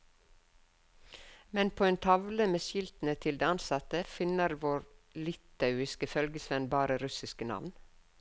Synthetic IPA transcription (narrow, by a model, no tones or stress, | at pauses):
mɛnpʰoːeːnt̪ʰɑʋləmeːʃjɪlt̪n̩ət̪ʰɪld̪eːɑnsɑt̪əfɪnəɾʋoːɾlɪt̪ɑʉɪskəfœlɡəsʋɛnbɑːɾəɾʉsɪskənɑ̰ʋn